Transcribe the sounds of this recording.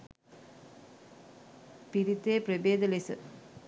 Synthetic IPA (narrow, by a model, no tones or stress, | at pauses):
piɾit̪ːeːpɾɐbeːd̪ɐlesɐ̰